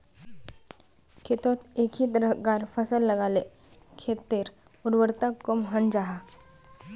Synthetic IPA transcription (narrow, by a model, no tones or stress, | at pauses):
kʰet̪ot̪ekʰiːt̪ɾəɦɡaɾfəsəlːəɡale | kʰet̪ːeɾ | uɾʋəɾt̪akomɦənd͡ʑaɦa